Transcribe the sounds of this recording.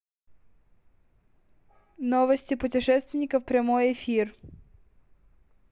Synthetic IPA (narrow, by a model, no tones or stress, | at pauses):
nɔʋɐsʲtʲipʊt̬ʲɪʃɛst̪ʋʲɪnʲɪkɐwpɾʲɐmɔjefʲir